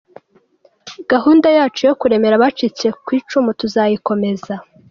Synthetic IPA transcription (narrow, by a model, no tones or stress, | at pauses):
ɡ̥aɦuːndajaːt͡ʃujo̞kuɾe̞me̞ɾaβat͡ʃit͡se̞kwiːt͡ʃumutuzajiko̞me̞za